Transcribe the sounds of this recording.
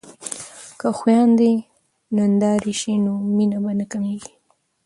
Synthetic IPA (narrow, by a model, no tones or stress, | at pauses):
kəxwjɑnd̪e | nand̪ɑɾiʃinominabanəkameɡi